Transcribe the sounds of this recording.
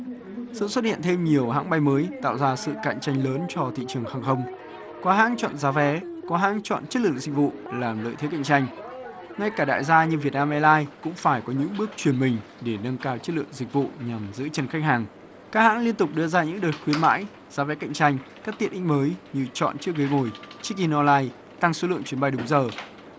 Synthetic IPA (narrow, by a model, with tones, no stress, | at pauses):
sɨ̰˧˨swə˦˥t̚hḭ˧˨ənt̪ʰe˧mɲi˨˩əwɦa̰ː˧˥ŋɓa˧jməː˨˦jt̪a̰ː˧˨wzaː˧sɨ̰˧˨ka̰˧˨ŋt͡ɕa˧jŋ̟ləː˨˦nt͡ɕɔ˧t̪ʰḭ˧˨t͡ɕɨ˨˩əŋxaː˨˩ŋxə˧wŋ͡m | kɔ˨˦ɦa̰ː˧˥ŋt͡ɕɔ̰˧˨nzaː˨˦vɛ˨˦kɔ˨˦ɦaː˧˥ŋt͡ɕɔ̰˧˨nt͡ɕə˦˥t̚lɨ̰˧˨ə˨ŋzï˨˩k̟̚vṵ˧˨laː˨˩mlə̰ː˧˨t̪ʰe˨˦ka̰˧˨jŋ̚t͡ɕa˧jŋ̟ | ŋa˧jkaː˧˩ɗa̰ː˧˨jzaː˧ɲɨ˧vi˨˩ət̚naː˧mʔɛ˧jlaː˧jkʊ̰˧˥ŋ͡mfaː˧˩jkɔ˨˦ɲɨ̰˧˥ŋɓɨ˦˥ək̚t͡ɕwi˧˩ənmï˨˩ŋ̟ | ɗe˧˩nə˧nkaː˧wt͡ɕə˦˥t̚lɨ̰˧˨əŋzï˨˩k̟̚vṵ˧˨ɲa˨˩mzɨ̰˧˥t͡ɕə˨˩nxa˦˥k̟̚haː˨˩ŋ | kaː˦˥k̚ha̰ː˧˥nli˧ənt̪ʊ˨˩k͡p̚ɗɨ˧əzaː˧ɲɨ̰˧˥ŋɗəː˨˩txwi˨˦ənma̰ː˧˥j | zaː˨˦vɛ˨˦ka̰˧˨ŋt͡ɕa˧jŋ̟kaː˦˥k̚t̪i˧˨ənʔï˧˥ŋ̟məː˨˦jɲɨ˧t͡ɕɔ̰˧˨nt͡ɕɨ˦˥ək̚ɣə˨˦ŋo˨˩jt͡ɕi˦˥k̚i˧nɔ˧laː˧j | t̪a˧ŋso˨˦lɨ̰˧˨əŋt͡ɕwi˨˦ənɓa˧jɗʊ˨˦ŋ͡mzəː˨˩